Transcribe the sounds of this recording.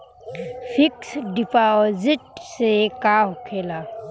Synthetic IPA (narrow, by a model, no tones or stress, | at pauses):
fʰɪksɖɪpazɪʈsekaːɦkʰeːlaː